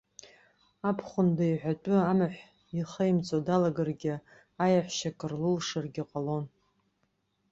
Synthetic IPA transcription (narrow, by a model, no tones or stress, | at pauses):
apʰχʷʊndaiħʷᶣat͡pʷʼʊamɨħʷ | iχəjmt͡sʼodalaɡarɡʲɪ | ajaħʷʃakʰʼɨrlulʂɨrɡʲiqʼalo̞n